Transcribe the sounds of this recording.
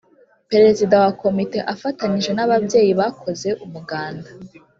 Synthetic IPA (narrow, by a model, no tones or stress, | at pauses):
pe̞ɾe̞zidawako̞mite̞ʔafataniʒe̞naβabje̞ːjiβakʰo̞ze̞ʔumuɡaːnda